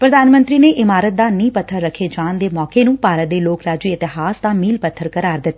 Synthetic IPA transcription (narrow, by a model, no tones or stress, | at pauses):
pɾəd̪aːnmə̃nt̪ɾiːneːʔɪmaːɾət̪̚d̪aːnĩːpət̪ʰːəɾːəkʰːeːd͡ʒaːnd̪eːmɔːkeːnũːpaːɾət̪̚d̪eːloːkɾaːd͡ʒiːɪt̪ɪɦaːst̪ãːmiːlpət̪ʰːəɾkəɾaːɾd̪ɪt̪ː